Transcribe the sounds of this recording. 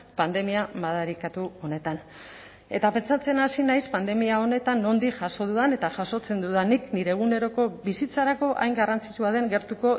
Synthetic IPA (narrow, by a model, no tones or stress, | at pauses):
pand̪e̞miamaðaɾikat̪uo̞ne̞t̪an | e̞t̪ape̞nt͡sat͡se̞nasinajspand̪e̞miao̞ne̞t̪anːo̞nd̪ikʝaso̞ð̞uðane̞t̪aʝaso̞t͡se̞nd̪uðanikniɾe̞ɣune̞ɾo̞ko̞βisit͡saɾako̞ʔa̰jŋɡarant͡si̥t͡ʃuaðe̞ŋɡe̞ɾt̪uko̞